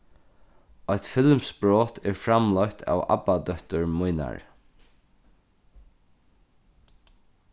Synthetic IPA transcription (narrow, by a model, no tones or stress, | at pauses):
ɔjt̪fɪlmsbɹoːt̪ʰɛɹfɾamlɔjt̪ʰa̰ːwa̰pad̪œht̪ʊɹmʊjna̰ɹ